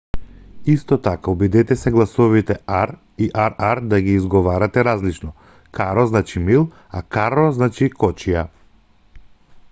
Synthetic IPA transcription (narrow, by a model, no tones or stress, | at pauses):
ist̪ɔt̪akaubid̪ɛt̪ɛsɛɡlˠasɔvit̪ɛaɾ | iʔaɾaɾd̪aɡiːzɡɔvaɾat̪ɛɾazlit͡ʃnɔ | kaɾɔznat͡ʃimilˠ | a̰kaɾɔznat͡ʃikʰɔt͡ʃija